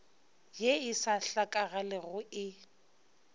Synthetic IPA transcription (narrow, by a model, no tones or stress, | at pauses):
jeɪsaɬakʼaɣalɪɣʊɪ